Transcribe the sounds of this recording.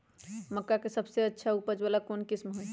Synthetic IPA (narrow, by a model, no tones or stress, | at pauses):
məkːakesəbseətːʃʰaupəd͡ʒbelakonkismɦoj